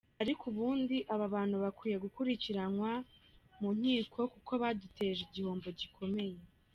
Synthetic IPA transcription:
aɾikuβuːndiʔaβaβaːn̥huβakwiːje̞ɡukuɾiciɾanwamuɲ̥hiːko̞kuko̞βadute̞ːʒiɟihoːmbo̞ɟikʰo̞me̞je

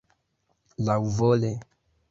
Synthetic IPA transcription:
lauvɔlɛ

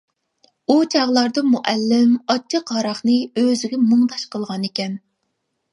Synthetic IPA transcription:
ut͡ʃʰɑʁlˠɑɾd̪ɑmuʔɛlːɪmɑt͡ʃʰɑqʰɑɾɑχnɨøzɪɡʲɛmoŋd̪ɑʃqʰəlˠʁɑnekʲɛn

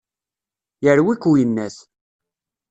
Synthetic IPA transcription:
jəɾwikujənːæs

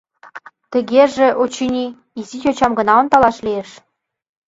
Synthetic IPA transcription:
t̪ə̆ɣeʒĕʔot͡ɕinʲi | izitʲot͡ɕɑmɡə̆nɑont̪ɑlɑʃlieʃ

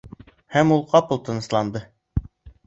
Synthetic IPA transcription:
hæmulˠqɑpɤ̆lˠt̪ɤ̆nɤ̆slˠɑnd̪ɤ

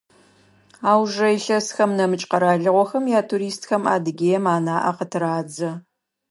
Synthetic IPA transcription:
aːwʒɐjɬɐsxɐmnɐmɨt͡ʃʼqɐɾaːɮɨʁʷɔxɐmjaːtʰuɾiːstxɐma̰ːdɨɡʲeːjɛmaːnaːʔɐ̰qətʰɨɾaːd͡zɐ

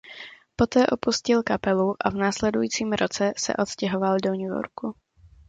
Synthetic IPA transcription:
po̞t̪ɛːʔo̞puscɪlkapɛluʔavnaːslɛdujiːt͡siːmɾot͡sɛsɛ̰ʔo̞t̪scɛɦovaldoɲujo̰ɾku

